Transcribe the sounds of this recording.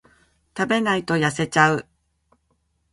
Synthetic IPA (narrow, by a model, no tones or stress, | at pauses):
t̪abe̞nait̪o̞jase̞t͡ɕaɯ̟